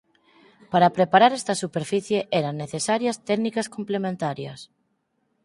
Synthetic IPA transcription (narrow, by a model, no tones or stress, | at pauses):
paɾapɾepaɾaɾest̪ɐsupeɾfiθjeʔeɾannːeθesaɾjɐst̪ɛknikaskomplemẽnt̪aɾjɐs